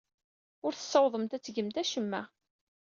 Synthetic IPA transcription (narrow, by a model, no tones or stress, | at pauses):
ʊɾθə̥sːɑwðˤəmt̪æt͡sːʝəmt̪æʃəmːæ